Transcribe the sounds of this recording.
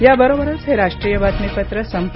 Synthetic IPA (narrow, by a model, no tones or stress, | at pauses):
jabəɾobəɾət͡sɦeɾaʂʈɾiːjəʋat̪nepət̪ɾəsəmp